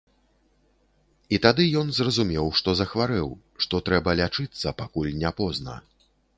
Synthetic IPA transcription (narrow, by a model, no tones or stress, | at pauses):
it̪ad̪ɨjɔnzrɐzumʲɛwʂt̪ɔzɐxvaɾɛw | ʂt̪ɔt̪ɾɛbɐlʲat͡ʂɨt̪sːɐpakulʲnʲapɔznɐ̰